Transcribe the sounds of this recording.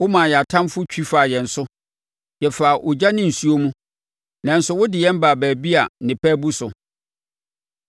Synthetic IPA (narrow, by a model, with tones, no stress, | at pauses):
wʊ˦mãː˨jɛ˨a˨tʰã˦mfʊ˦t͡ɕᶣi˦faː˨jɛ˨n̩˨sʊ˦ | jɛ˨faː˨ʔʊ˨d͡ʑa˦nɪ̃˦n̩˨su˦o˦mũ˦ | nã˨n̩˦sʊ˦wʊ˦dɪ˨jɛ̃˦m˦baː˨bæː˨bi˦a˨nɪ̃˨pʰɛː˦bu˦sʊ˨